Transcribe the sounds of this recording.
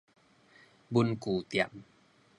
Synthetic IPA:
bu˧nkuː˨˩t̪i˧˩˨m

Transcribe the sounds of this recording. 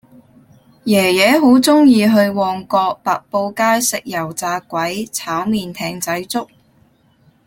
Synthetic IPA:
jɛː˨˩jɛː˨˥ɦo˨˥wt͡sʊ˥ŋjiː˧ɦɵ˧ɥwɔː˧ŋkɔː˧k̚paː˨k̚po˧wkaː˥jsɪ˨k̚jɐ˨˩wt͡saː˧kʷɐ˨˥jt͡sʰaː˨˥wmiː˨˧nt̪ʰɛː˧ŋt͡sɐ˨˥jt͡sʊ˥k̚

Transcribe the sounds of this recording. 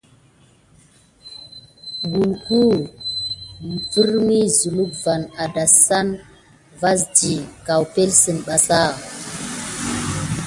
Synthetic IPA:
ɡu˨lku˦˨ | vi˦ɾmi˦zu˨lu˦k̚va˨na˨da˨sa˦n | va˦s̬d͡ʒi˨ka˨wpe˦lsə˨nɓa˨sa˦˨

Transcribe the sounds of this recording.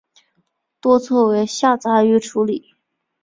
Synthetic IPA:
t̪wɔ˥t͡sʰwɔ˥˩we˧˥ɪɕja˥˩t͡sa˧˥y˧˥ʈ͡ʂʰu˧˥li˨˩˦

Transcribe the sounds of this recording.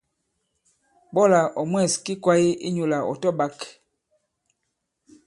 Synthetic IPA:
ɓɔ˦la˨ʔɔ˨mwɛ˦˨ski˦kwa˦ji˦ʔḭ˦ɲu˨la˨ɔ̰˨tɔ˦ɓa˦k

